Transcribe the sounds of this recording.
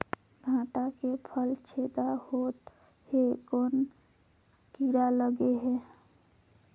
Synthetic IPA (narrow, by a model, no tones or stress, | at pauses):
ɡʱãːʈakepʰəlt͡ʃʰed̪ahoːt̪ | hekoːn | kiɾaləɡeɦɛ̃